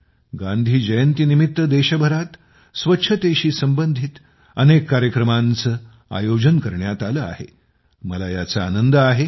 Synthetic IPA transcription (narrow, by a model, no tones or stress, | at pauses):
ɡãnd̪ʱiːd͡ʑəjənt̪inimit̪ːəd̪eɕəbʱəɾat̪ | sʋətːɕʰət̪eɕiːsəmbənd̪ʱit̪ | ənekːaɾjəkɾəmant͡səː | a̰jod͡ʑənkəɾɳjat̪aləa̰hḛ | məlajat͡saanənd̪əaɦe